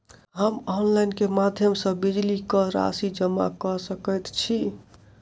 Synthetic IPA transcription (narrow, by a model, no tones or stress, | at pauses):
ɦəmɔnlajnkemad̪ʱjəmsə̃bid͡ʒlikɔɾa̰sid͡ʒəmːa̰kɔsəkəjt̪t͡ʃʰi